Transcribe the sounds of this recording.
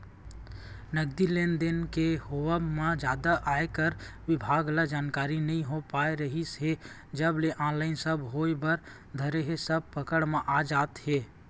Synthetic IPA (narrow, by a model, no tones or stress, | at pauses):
nəɡd̪ileːnd̪enkehowəmẽd͡ʒjaːd̪aʔaːekəɾʋɪbʱaːɡlad͡ʒaːnkaːɾinəɦĩɦopaːeɾəɦisɦe | d͡ʒəbleʔãːlaːɪnsəbɦoːebəɾ | d̪ʱəɾeɦesəb̚pəkəɽmẽʔaːd͡ʒaːt̪ɦeː